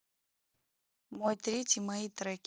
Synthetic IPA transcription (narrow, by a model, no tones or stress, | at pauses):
mojt̪ɾʲetʲimait̪ɾakʲ